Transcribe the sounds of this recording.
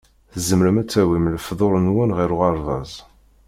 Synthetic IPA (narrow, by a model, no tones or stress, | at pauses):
θəzəmɾəmæt͡sːæwimləfðˤoɾˤnwænʁiɾʊʁɑɾˤðˤɑ̰zˤ